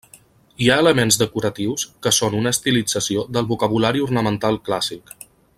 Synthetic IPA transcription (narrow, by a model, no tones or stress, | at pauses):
iaələmenzðəkuɾət̪iwskəsonunəːst̪ilid͡zəsiod̪əlˠβukəβ̞ulaɾiurnəmənt̪alˠklasik